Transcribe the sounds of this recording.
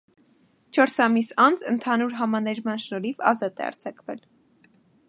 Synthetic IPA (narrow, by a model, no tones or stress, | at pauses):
t͡ʃʰɔɾsɑmisɑnd͡zənt̪ʰɑnuɾɦɑmɑnɛɾmɑnʃnɔɾivɑ̰zɑt̪ɛ̰ɑ̰ɾt͡sʰɑkvɛl